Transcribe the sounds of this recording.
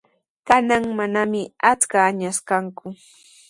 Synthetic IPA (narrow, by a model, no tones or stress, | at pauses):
kanaŋmanamɪat͡skaːɲaskaŋkʊ